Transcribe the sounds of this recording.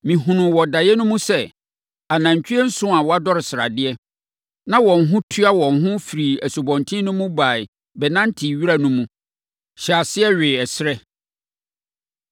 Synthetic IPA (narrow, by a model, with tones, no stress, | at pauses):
mĩ˨ɦũ˨nʊ̃˨wɔ˨da˨jɛ˦nʊ̃˦mũ˦sɛ˦ | a˨nã˨ɲ˨t͡ɕᶣi˦ɛ˦n̩˦sʊ̃˦a˨wɔ˨a˦dɔ˦ɾɪ˨sɪ˨ɾa̰˨dɪ˦ɛ˦ | nã˦wɔ̃˨n˨ɦʊ̃˦tʰu˦a˦wɔ̃˨nɦʊ̃˦fi˨ɾi˨æ˨su˨bɔ̃˨ntʰĩ˦nʊ̃˦mʊ̃˦ba˨ɪ˨ | bɛ˨nã˦n˦tʰi˨ɥi˦ɾa˦nʊ̃˦mũ˦ | ɕa˨sɪ˦ɛ˦ɥɪ˨ɛ˨sɪ˦ɾɛ˦